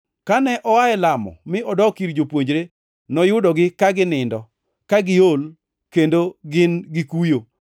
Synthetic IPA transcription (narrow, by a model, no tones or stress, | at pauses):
kanɛʔɔwaɛlamɔ̰mɪɔdɔkiɾd͡ʒopwoɲd͡ʒɾe | nɔjʊdɔɡɪkaɡɪnɪndɔ | kaɡɪol | kendoɡɪnɡɪkujo